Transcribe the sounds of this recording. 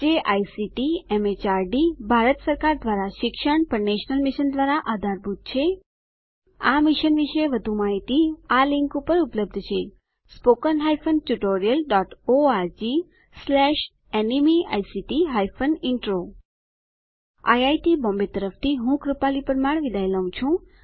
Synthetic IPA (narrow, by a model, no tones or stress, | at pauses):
d͡ʒeʔajsiʈiɛmet͡ʃaɾɖibʱaɾət̪səɾkaɾd̪ʋaɾaʃɪkʃəɳpəɾneʃnəlmɪʃənd̪ʋaɾaʔad̪ʱaɾbʱut̪̚t͡ʃʰe | amɪʃənʋiʃeʋəd̪ʱumaɦit̪ialɪŋkupəɾupləb̚d̪ʱt͡ʃʰe | spokənɦajfʰənʈuʈoɾijəlɖɔʈoaɾd͡ʒi | slɛʃ | enimia̰jsiʈiɦajfʰənɪɳʈɾo | a̰jajʈibɔ̃mbet̪əɾəft̪ʰiɦũkɾupalipəɾəmaɳ̃ʋid̪ajləʋũt͡ʃʰũ